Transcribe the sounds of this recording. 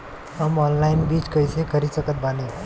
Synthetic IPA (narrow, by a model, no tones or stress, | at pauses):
həmɔnlajinbiːt͡ɕkəjsekʰəɾisəkət̪̚bane